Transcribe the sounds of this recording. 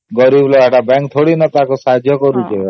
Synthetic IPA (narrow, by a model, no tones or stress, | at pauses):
ɡɔɾibloɦaʈabɛ̃ŋk̚t̪ʰoɽinɔt̪akosad̪ʱjɔkɔɾut͡ʃʰe